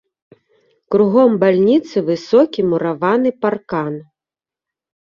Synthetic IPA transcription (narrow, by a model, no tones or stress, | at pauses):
kɾuɣɔmbalʲnʲit̪sɨvɨsɔkʲimuɾavanɨparkan